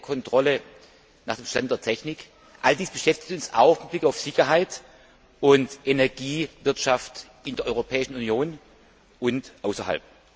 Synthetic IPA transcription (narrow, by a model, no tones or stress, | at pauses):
kʰɔntʁ̥ɔlə | naːχd̥eːmʃtantd̥eːɐtʰɛçnɪk | ʔaldiːsb̥əʃɛftɪ̥çtʊnsa̰ʊxmɪt̚b̥lɪkaʊfz̥ɪçɐɦaɪt | ʔʊntʔenɛɐɡiːvɪɐtʃaft | ɪndeːɐʔɔʏʁopʰɛːɪʃn̩unjoːn | ʊntʔaʊsɐha̰lp̚